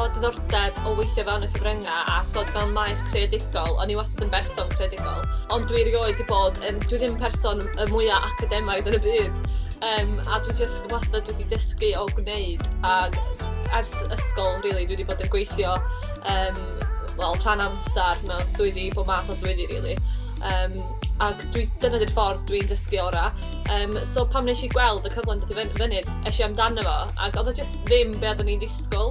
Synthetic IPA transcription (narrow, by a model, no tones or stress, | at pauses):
oːdnʊrdɛbɔwejθjɔvɛlˠnəkʰəvrəŋaʔa̰tʰoːdvɛlˠnmˠajθkʰreadɪɡɔlˠɔ̰nːiwasɔdənbɛrsɔnkʰreadɪɡɔ̰lˠɔndwiɾjoːɨdiboːdənd̥winɪnpʰɛrsɔn | əmʊɨaʔakʰadɛmaɨðənəbɨːd̥ | əːma̰dwid͡ʒəswasɔdwɛdidəskɨɔɡwneɨdaɡ | ɛrsəskɔlˠriːlˠidwidiboːdənɡwejθjɔ | əːm | vɛlˠr̥anamsarmɛd̥ʊɨdiboːmaθɔswɨdiɾḭːlˠi | əːm | aɡd̥wid̥ənədɪrfɔrðd̥windəskɨɔɾa | əːmsoːpʰamnɛʃiɡwɛlˠdəkʰəvlˠɛndəθivənvənɨd̥ɛʃɔamdanəvɔ | a̰ɡɔðad͡ʒəstðɪmbeːðɔnidɪskɔlˠ